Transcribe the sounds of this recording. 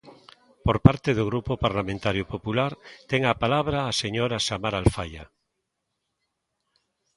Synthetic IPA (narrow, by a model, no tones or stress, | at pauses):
poɾpaɾt̪eðoɣɾupopaɾlamẽnt̪aɾjopopulaɾt̪eŋapalaβ̞ɾaːseɲoɾasamaɾalfaja̰